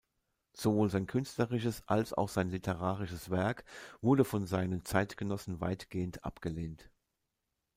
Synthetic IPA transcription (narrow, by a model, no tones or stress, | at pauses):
z̥ovoːlzaɪnkʰʏnstləʁɪʃ̬əsʔa̰lsa̰ʊxz̥aɪnlɪtʰəʁ̞aːʁɪʃəsv̥ɛɐkv̥ʊɐdəfɔnzaɪnənt͡saɪtɡ̥ənɔsn̩va̰ɪtɡ̥eːəntʔa̰pɡ̥əleːnt